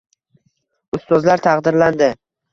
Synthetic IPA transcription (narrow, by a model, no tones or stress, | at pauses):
ʊst̪ɒzlaɾt̪ʰɑqd̪ɪɾland̪ɪ